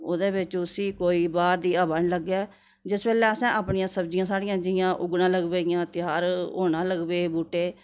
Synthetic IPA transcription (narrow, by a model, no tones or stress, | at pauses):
oːd̪eːbɪt͡ʃʊsiːkoːiːbaːɾd̪iːaːbəɳləɡɛː | d͡ʒɪsbɛːlɛːəsɛ̃ːaːpɳɪjãːsəbd͡ʒɪjãːsaːɽɪjãːd͡ʒɪjãːʔʊɡnãːləɡʋeːɪjãːt̪ɪjaːɾoːnãːləɡbeːbuːʈeː